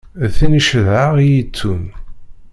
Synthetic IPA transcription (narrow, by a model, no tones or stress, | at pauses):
θiniʃəðʕaʁijit͡sːun